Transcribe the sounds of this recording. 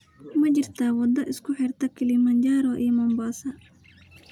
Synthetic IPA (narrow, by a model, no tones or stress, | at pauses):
mɐt͡ʃɪrt̪ʰaːwɐd̪ɐʔɪskʰʊħɪrt̪ʰɐkʰɪlimɐnd͡ʒaːɾɔʔḭːmɐmbaːsɐ